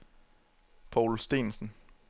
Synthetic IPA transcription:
pʰɑʊlsd̥e̝̰nsn̩

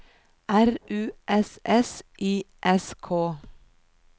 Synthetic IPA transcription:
ʔæɾʔʉːʔɛsʔɛsʔiːʔɛskʰoː

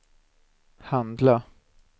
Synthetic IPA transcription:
hand̪la

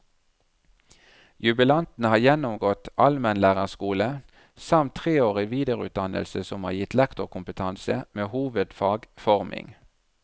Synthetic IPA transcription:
jʉbəlɑnt̪n̩əhɑːjɛnʊmɡɔt̪ʔɑlmɛnlæːʁəskuːlə | sɑmt̪ʰʁeːoːʁɪʋiːd̪ɛːʁʉːt̪̚d̪ɑnə̰lsəsɔmhɑ̰ːjɪt̪lɛkt̪ʊkʰʊmpət̪ʰɑnsəmeːhuːʋəd̪fɑːɡfɔʁmʔɪ̰ŋ

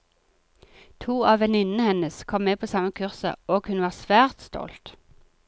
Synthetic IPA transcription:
t̪ʰuːɑːʋɛnɪnn̩əhɛnəskʰɔmmeːpʰoːsɑməkʰʉʁsə̰oːɡhʉnʋɑːʁsʋæːʁt̪st̪ɔ̰lt̪

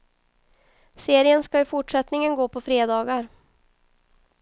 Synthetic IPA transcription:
seːɾɪənskaɪfʊʈʂɛt̪nɪŋənɡoːpʰɔfɾeːd̪ɑːɡaɾ

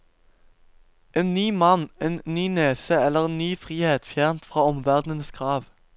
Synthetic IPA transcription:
ʔeːnnyːmɑneːnnyːneːsəɛlːəʁeːnnyːfʁiːheːt̪fjæːʁnt̪fʁɑːɔmʋæʁd̪nənsɡʁɑːʋ

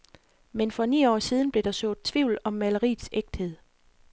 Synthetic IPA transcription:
menfɒ̽nḭːɒ̰ːsiːð̞ˠn̩b̥le̝d̥ɑ̈sɔ̰̽ːð̩ˠt͡sʰʋiʊlɒ̽mːæləʁḭːdseɡ̥̚d̥he̝ð̰ˠ

